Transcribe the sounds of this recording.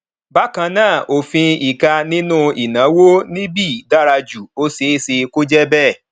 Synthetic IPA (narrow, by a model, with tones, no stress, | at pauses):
ba˦kã˧nãː˦˨ʔo˨fĩ˧i˨ka˧nĩ˦nũ˦i˨nã˨˦wo˦nĩ˦bi˦˨da˦ɾa˧d͡ʒu˨o˧˦se˨˦se˧ko˦d͡ʒɛ˦bɛ˦˨